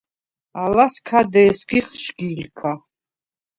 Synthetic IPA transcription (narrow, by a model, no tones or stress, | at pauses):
alaskʰad̪ɛːsɡiχʃɡilkʰa